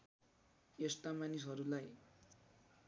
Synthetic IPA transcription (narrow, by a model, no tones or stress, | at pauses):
est̪amanis̬ɦʌɾulaj